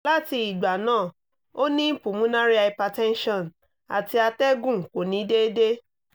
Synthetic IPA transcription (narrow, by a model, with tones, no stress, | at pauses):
la˦ti˧i˨ɡ͡ba˨nãː˦˨ | o˦nĩ˦m̩˦pu˨mũ˨˦nã˦ɾi˦a˧˨i˧pa˧tɛ̃˦n˦ʃɔ̃˦˨n | a̰˨ti˧a˧tɛ˦ɡũ˦˨ko˨nĩ˨˦de˦de˦